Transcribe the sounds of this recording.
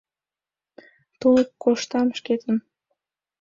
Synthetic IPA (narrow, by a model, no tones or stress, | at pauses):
t̪ulˠəp̚koʃt̪ɑmʃket̪ə̆n